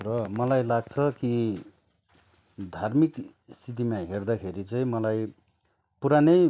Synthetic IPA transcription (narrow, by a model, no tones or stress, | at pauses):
rʌmʌlajlaɡt͡sʰʌki | d̪ʱarmik | st̪ʰit̪̬imãɦerd̪akʰeɾit͡saĩmʌlaj | puɾanʌj